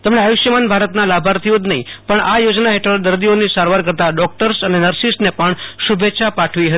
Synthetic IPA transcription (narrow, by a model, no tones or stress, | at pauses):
t̪əmɳeajuʃjəmanbʱaɾət̪nalabʱaɾt̪ʰiod̪nəɦĩpəɳajod͡ʒnaɦeʈʰəɭd̪əɾd̪ionisaɾʋaɾkəɾt̪aɖɔk̚ʈəɾsənenəɾsisʈnepəɳʃubʱetːʃʰapaʈʰʋiɦət̪i